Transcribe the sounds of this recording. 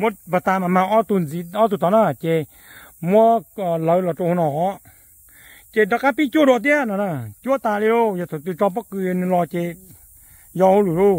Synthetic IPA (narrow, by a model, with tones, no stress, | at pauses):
mo˦ba˨t̪aː˧˨ma˨mã˧ʔɔ˦t̪u˧˨n˨zi˨˧ɔ˦t̪u˧˨t̪ʰɔ˨na˧˩˨t͡ɕe˧˨ | mɔ˦˨lə˨˧˨lɔ˨ʈ͡ʂo˧ho˧nɔ˨ | t͡ɕe˧˨dɔ˧˨ka˦pi˦t͡ɕu˦˨dɔ˧˨t̪̬i˦˨na˨na˧˩˨t͡ɕu˦˨t̪aː˧˨li˧˦o˧ja˧t̪ʰo˨t̪ɨ˧˨ʈ͡ʂɔ˧pɔ˦kɨ˧jnɨ˧lɔ˧t͡ɕe˧ | jɔ˧ho˦lu˨ɾu˧˨